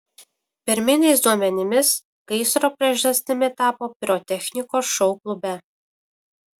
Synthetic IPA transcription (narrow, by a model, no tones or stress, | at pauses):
pʲɪɾʲmʲɪnʲɛɪs̬d̪uɔmʲɛnʲɪmʲɪs | kɐɪsɾoːpʲɾʲiɛʒʲɐsʲt̪ʲɪmʲɪt̪ɑːpoːpʲɾʲot̪ʲɛxʲnʲɪkoːsʃɔʊklˠʊbʲɛ